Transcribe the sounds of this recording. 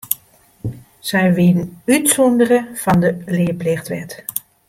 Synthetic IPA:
sɛjʋɪdənytsɔndərəfɑndəlɪəplɪxtʋɛ̰t

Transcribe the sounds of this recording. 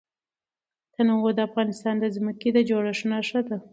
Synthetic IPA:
t̪anawod̪əafɣɑnɪst̪ɑnd̪əzməked̪əd͡ʒoɽaʂnaʂəd̪a

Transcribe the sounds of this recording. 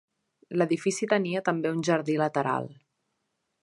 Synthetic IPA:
ləðifisit̪əniət̪əmbeunʲʒəɾðilət̪əɾa̰lˠ

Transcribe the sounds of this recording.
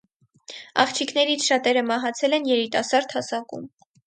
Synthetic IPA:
ɑ̰χt͡ʃʰikʰnɛɾit͡sʰʃɑt̪ɛɾəmɑɦɑt͡sʰɛlɛnjɛɾit̪ɑsɑɾd̪hɑsɑkṵm

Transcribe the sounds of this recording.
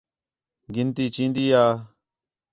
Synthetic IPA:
ɡɪnt̪iːt͡ʃĩːnd̪iːaː

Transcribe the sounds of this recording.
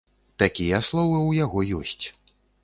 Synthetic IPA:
t̪akʲijɐslˠɔvɨwjaɣɔjɔsʲt͡sʲ

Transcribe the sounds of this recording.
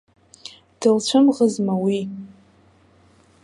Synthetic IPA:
d̥ɨlt͡ɕʷʰɨmʁəzmawi

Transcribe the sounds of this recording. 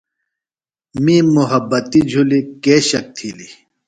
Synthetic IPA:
mĩːmuɦɐbːɐt̪id͡ʑʱulikeːɕɐk̚t̪ʰili

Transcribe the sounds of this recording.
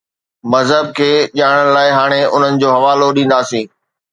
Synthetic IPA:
mɐzɦəb̚kʰeːʄaːɽ̃əɽ̃laːɪɦaːɽ̃eʊn̤ənɪ̆d͡ʑoːɦɐʋaːloɗĩːnd̪aːsĩː

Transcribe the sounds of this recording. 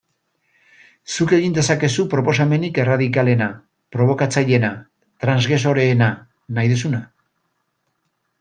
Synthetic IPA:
suke̞ɣind̪e̞sake̞supɾo̞po̞same̞nike̞raðikale̞na | pɾo̞β̞o̞kat͡saʎe̞na | t̪ɾanzɣeso̞ɾe̞ːna | najðus̬una

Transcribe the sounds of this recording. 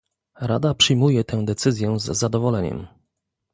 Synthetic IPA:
ɾa̰d̪apʂɘjmujɛt̪ɛ̃w̃d̪ɛt̪sɘzʲjɛzːad̪ɔvɔlɛɲɛ̰m

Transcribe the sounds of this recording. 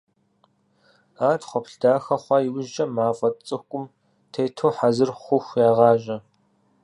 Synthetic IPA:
aːtχʷɔpɬdaːxɐχʷɑːjiwʊʒt͡ʃʼɐmaːfʼɐtt͡sʼɨxkʷʼʊm | tʰeːtʰoːħazɨrχʷʊxʷjaːʁɑːʒɐ

